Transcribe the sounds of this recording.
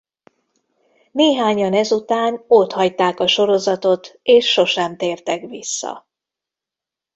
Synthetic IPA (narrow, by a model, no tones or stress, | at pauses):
neːɦaːɲɒnɛzut̪aːnot̪hɒct̪aːkɒʃo̞ɾo̞zɒt̪o̞t̪eːʃːo̞ʃɛmt̪eːrt̪ɛkʋisːɒ̰